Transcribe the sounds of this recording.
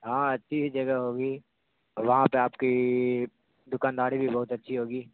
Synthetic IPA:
ɦãːɐtːʃʰisid͡ʒɐɡaɦoːɡiː | ɔʋɐɦãpeaːpki | d̪ʊkaːnd̪aːɾibʱibɐɦʊt̪ɐtːʃʰiɦoːɡiː

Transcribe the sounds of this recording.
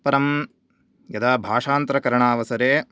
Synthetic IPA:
pɐɾɐm | jɐd̪ɐbʱaːʂaːnt̪ɾɐkɐɾɐɳaːʋɐsɐɾeː

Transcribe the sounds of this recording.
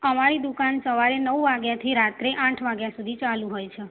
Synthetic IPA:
əmaɾid̪ukansəʋaɾenəʋʋaɡjat̪ʰiɾat̪ɾeʔãʈʰʋaɡjasud̪ʱit͡ʃalũɦojt͡ʃʰe

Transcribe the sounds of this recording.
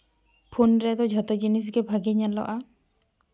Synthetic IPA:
pʰunɾɛt̪ɔd͡ʒʱɔt̪ɔd͡ʒinis̬ɡɛbʱaɡeɲalɔ̰ʔa

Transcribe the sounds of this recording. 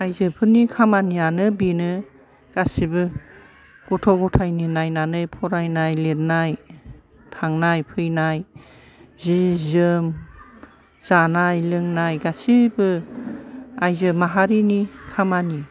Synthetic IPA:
ajzɯpʰɯnikʰamanianɯbinɯ | ɡ̥asibɯ | ɡ̥ɔtʰɔɡɔtʰajninajnanɯjpʰɔɾajnajlet̚naj | tʰaŋnajpʰɯjnaj | zizɯm | z̥anajlɯŋnajɡasibɯ | ajzɯmaɦaɾinikʰamani

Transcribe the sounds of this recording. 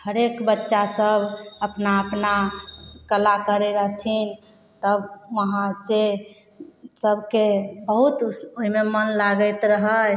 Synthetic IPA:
həɾekbətːʃasəbəpnaəpnakəlakəɾeɾəɦt̪ʰin | t̪əbʋəɦãse | səbʱkebəɦut̪oɦimemənlaɡəjt̪ɾəɦəl

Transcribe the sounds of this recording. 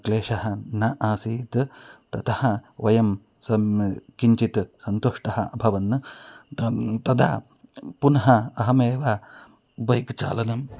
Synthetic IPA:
kleːʃɐɦɐ̆nɐʔaːsiːt̪t̪ɐt̪ɐhɐʋɐjɐm | sɐkiɲt͡ʃit̪sɐnt̪oʂʈɐɦɐɐbʱɐʋɐnː | t̪ɐd̪ʱa̰ː | punɐɦɐɐɦɐmeːʋa | bɐjkt͡ʃa̰ːlɐnɐm

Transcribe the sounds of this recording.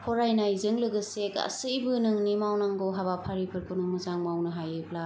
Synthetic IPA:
pʰɔɾajnajzɯŋlɯɡɯseka̰sɯjbɯnɯŋnimawnaŋɡɔɦaβapʰaɾipʰɯɾkʰonɯŋmɯzaŋmawnɯɦajɯp̚la

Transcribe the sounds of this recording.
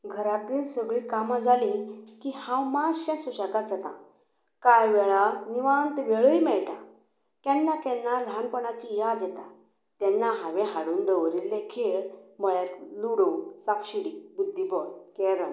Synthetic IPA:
ɡʱəɾat̪iːlsəɡɭikamad͡zalĩkihãwmad͡zɕãsuɕakad͡zat̪ã̰ | kajʋɛɭaniʋant̪ʋeɭəjmɛɭʈa | k̪jɛnːakɛnːalanpəɳat͡ɕijad̪jɛt̪a | t̪ɛnːaɦãʋẽɦaɽuːnd̪əʋɾild̪ekʰiɭməɭat̪luɽusapɕiɽibud̪ʱːibɔɭkɛɾən

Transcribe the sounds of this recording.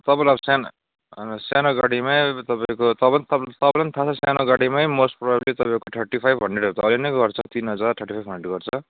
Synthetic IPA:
t̪ʌbalʌbsan | sjanoɡaɽimajt̪ʌpãĩkot̪ʌbʌnt̪ʰʌt̪ʌbʌʌnit̪ʰat͡sʰʌsjanoɡaɽimajmosʈprʌbablet̪ʌpãkoʈʰʌrʈipʰajbbʱʌɳɖeɖet̪ʌːlinʌjɡʌrt͡sʰʌt̪inɦʌd͡zarʈʰʌrʈipʰajbʱʌɳɖeɖɡʌrt͡sʰʌ

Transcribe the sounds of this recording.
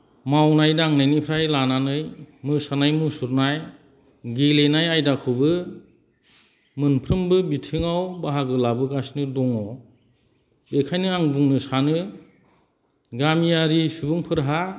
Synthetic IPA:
mawnajdaŋnajnipʰɾajlananɯjmɯsanajmusuɾnaj | ɡelenajajdakʰɯwbɯ | mɯnpʰɾɯmbɯbitʰɯŋawbaɦaɡɯlabɯɡasnɯdɔŋɔ | bekʰajnɯaŋbuŋnɯsanɯ | ɡamijaɾisubɯŋpʰɯɾɦa

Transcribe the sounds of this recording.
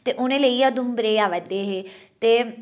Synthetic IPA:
t̪eːʔʊnẽːləiːad̪ʊmbɾeːaːʋəd̪eːɦeː | t̪eː

